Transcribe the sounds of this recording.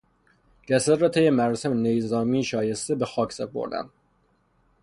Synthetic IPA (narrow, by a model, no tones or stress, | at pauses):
ɟæsæɾɒːt̪ʰejemæɾɒːsemenejzɒːmiːʃɒːje̞st̪ebexɒːcʰsepʰo̰ɾd̪æ̰m